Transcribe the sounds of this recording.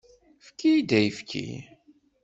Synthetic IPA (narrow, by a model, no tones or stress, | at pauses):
fkid̪æjfkʰḭ